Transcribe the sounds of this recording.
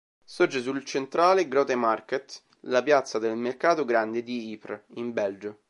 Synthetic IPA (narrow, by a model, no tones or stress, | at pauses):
sord͡ʒesult͡ʃent̪ɾaːleɡɾɔt̪emarket̪ | lapjat̪sːad̪elmerkaːt̪oɡɾand̪ed̪iipɾimbɛld͡ʒo